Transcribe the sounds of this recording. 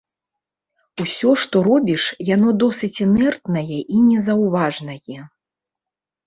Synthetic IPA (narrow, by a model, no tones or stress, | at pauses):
usʲɔʂt̪ɔɾɔbʲiʂjan̪ɔd̪ɔsɨt͡sʲinɛrt̪nɐjɛʔinʲɛzɐwvaʐnɐjɛ